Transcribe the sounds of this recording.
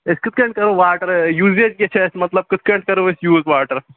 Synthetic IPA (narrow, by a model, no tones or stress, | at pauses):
eskɪt̪̚ʰkɐɳʈ̚kɐɾoːʋaːɾʈɐɾjuːzeːd͡ʒket͡ʃʰesmɐt̪lɐb̚kɪt̪̚ʰkɐɳʈkɐɾoːesjuːzʋaːʈɐɾ